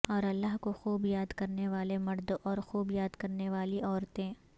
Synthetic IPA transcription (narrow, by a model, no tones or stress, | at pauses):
ɔːɾɐlːaɦkoxuːbjaːd̪kɐɾneʋaːlemɐɾd̪oʔɔːɾxuːbjaːd̪kɐɾneʋaːliʔɔːɾt̪ẽ